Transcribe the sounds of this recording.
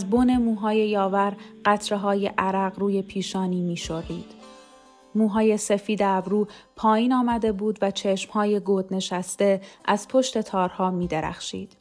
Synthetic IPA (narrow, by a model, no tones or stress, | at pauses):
æzbone̞muːɦɒːje̞jɒːvæɾɢæt̪ʰɾe̞ɦɒːjeʔæɾæɢruːje̞pʰiːʃɒːniːmiːʃo̞rːḭːd̪̥ | muːɦɒːje̞se̞fiːd̪eæbɾuːpʰɒːjiːnɒːmæd̪e̞buːd̪væt͡ʃʰe̞ʃmhɒːje̞ɡod̪ne̞ʃæst̪e̞ʔæz̥pʰo̞ʃt̪e̞t̪ʰɒːɾhɒːmiːd̪eɾæ̰xʃḭːd̪̥